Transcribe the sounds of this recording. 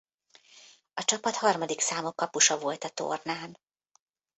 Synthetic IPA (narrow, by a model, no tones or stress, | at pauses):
ɒt͡ʃɒpɒt̪hɒrmɒd̪iksaːmokːɒpuʃɒvo̞lt̪ɒt̪o̰rnaːn